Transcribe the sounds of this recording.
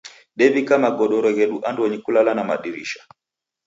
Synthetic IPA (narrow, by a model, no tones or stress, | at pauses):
ɗɛvikamaɡɔɗɔɾɔɣɛɗuʔandwɔɲikulalanama̰ɗiɾiʃḁ